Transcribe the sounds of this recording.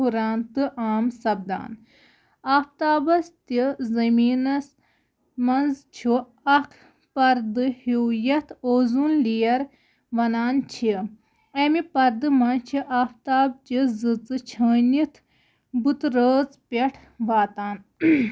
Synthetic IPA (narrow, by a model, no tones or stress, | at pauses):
uɾaːnt̪ɨʔaːmsɐb̚d̪a̰ːn | aːft̪aːbɐst̪izɐmiːnɐs | mɐnzt͡ʃʰu | ɐkʰ | pɐɾd̪ɨhiwjɐt̪ʰoːzunlijɐɾ | ʋɐnaːnt͡ʃʰi | ɐmipɐɾd̪ɨmɐnt͡ʃʰiʔaːft̪aːb̚t͡ʃizɨt͡sɨt͡ʃʰəːnit̪ʰ | bɨt̪ɾəːt͡spʲeʈʰ | ʋaːt̪aːn